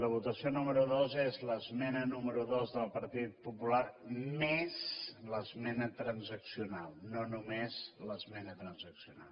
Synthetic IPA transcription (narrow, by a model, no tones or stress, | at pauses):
ləβ̞ut̪əsionuməɾuðozezləzmɛnənuməɾuðozðəlˠpəɾt̪it̪̚pupulaɾmezləzmɛnət̪ɾənzəksiunalˠnonumezləzmɛnət̪ɾənzəksiuna̰lˠ